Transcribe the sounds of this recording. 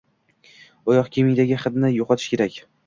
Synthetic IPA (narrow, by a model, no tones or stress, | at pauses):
ɒjɒqkʲʰemɪjd̪aɡʲɪχɨd̪nɪjoqʰɒt̪ʰɪ̥ʃkʲe̞ɾakʲ